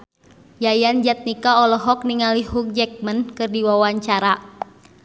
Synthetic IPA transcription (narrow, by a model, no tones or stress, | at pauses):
jajand͡ʒat̪̚nikaɔlɔɦɔk̚niŋalihuk̚d͡ʒɛk̚mənkɨrdiwawaɲt͡ʃaɾa